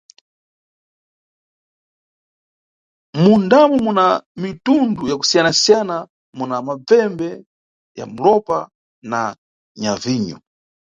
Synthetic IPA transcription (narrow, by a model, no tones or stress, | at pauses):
mundamɔmunamitundujaku̥sijanasijana | munamab͡vɛmbɛ | ja̰m̩lɔpa | na | ɲaviːɲṵ